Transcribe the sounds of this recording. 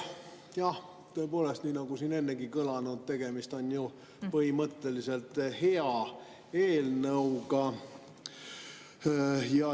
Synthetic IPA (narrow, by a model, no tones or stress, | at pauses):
jɑh | t̪ɤ̞po̞ːle̞st̪niːnɑɡ̥usiːne̞nːeɡikɤlɑnud̪̥̚t̪e̞ɡ̥e̞mist̪o̞nju | pɤɦimɤt̪ˑːe̞lise̞lt̪ˑhe̞ɑ | eːlnɤwɡɑ | jɑ